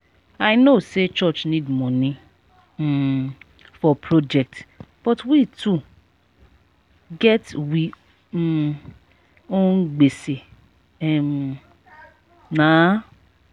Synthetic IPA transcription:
ajnoset͡ʃɔt͡ʃnĩdmɔ̃nĩ | fɔpʰɾod͡ʒɛk̚tb̥ɔtwitu | ɡɛtwi | oɡ͡bese | ɛm | nã

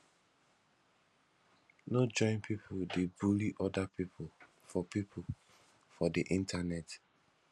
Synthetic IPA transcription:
nod͡ʒɔ̃ɪ̃npipʰodebuliʔɔdapipʰol | fɔpipʰo | fɔdiʔĩntanɛt

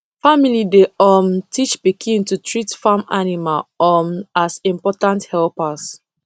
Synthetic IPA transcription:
familideɔmtʰit͡ʃpikʰĩntutʰɹitfamanimalɔmasĩmpɔtãnthɛlpas

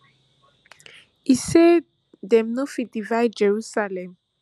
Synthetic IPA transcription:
ise | dɛ̃mnofidivajd̚d͡ʒɛɹusalɛ̃m

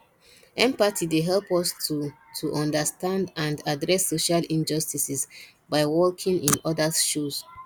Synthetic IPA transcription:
ɛ̃mpatʰideɦɛlpɔstu | tʰuʔɔ̃ndəstãndãndadɹɛsːoʃalĩnd͡ʒɔstisis | baɪwɔkʰĩŋĩnɔdaʃus

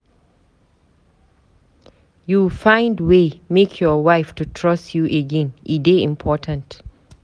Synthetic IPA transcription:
jufãɪ̃ndwemekʰjɔwaɪftutʰɹɔsjuʔeɡɛ̃nʔideĩmpʰɔtʰə̃nt

